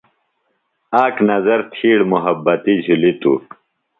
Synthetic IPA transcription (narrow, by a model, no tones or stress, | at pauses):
aːknɐzɐɾt̪ʰiːɽmuɦɐbːɐt̪id͡ʑʱulit̪ṵ